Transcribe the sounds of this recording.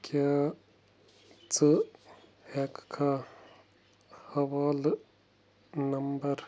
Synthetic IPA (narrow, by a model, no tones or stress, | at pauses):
ka | t͡sɨ | hekkʰa | hɐʋaːl | nɐmbɐɾ